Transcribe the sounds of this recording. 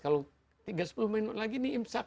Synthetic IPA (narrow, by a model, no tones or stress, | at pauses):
kalo | t̪iɡasə̥pulumɛinɔʔlaɡiniimsa